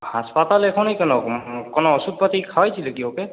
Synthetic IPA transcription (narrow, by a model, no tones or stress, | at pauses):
haspat̪alɛkʰɔnejkɔnɔkɔnɔɔsut̪̚pat̪ikʰawajsʰilekiɔpɛ